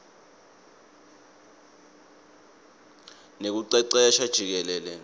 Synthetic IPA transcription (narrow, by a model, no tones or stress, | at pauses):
nek̬uǀɛǀɛjaʃad̥ʒ̥ʱik̬ɛlɛlɛ